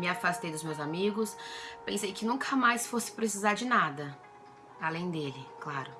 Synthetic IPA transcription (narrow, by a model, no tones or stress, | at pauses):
mɪafast̪ejd̪ʊzmewzamiɡʊspẽsejkɪnũkʰɐmajsfosɪ̥pɾesizaɾd͡ʒɪnad̪ɐ | alẽj̃d̪elɪklaɾʊ